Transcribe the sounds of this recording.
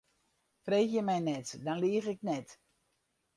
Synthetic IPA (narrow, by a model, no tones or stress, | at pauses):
freːxjəmɛjnɛtdɔnliəɣɪk̚nɛt